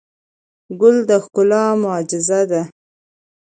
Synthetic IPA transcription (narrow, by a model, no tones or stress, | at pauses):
ɡʊld̪əxkʊlɑmʊɑd͡ʒɪzad̪a